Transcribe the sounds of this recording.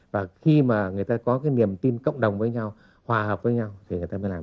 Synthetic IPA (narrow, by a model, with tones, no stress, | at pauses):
vaː˨˩xi˧maː˨˩ŋɨ˨˩əjt̪aː˧kɔ˨˦kaː˨˦jni˨˩əmt̪i˧nkə̰˧˨wŋ͡mɗə˨˩wŋ͡mvəː˨˦jɲa˧w | hwaː˨˩həː˨˩p̚vəː˨˦jɲa˧wt̪ʰi˨˩ŋɨ˨˩əjt̪aː˧mə˨˦laː˨˩˨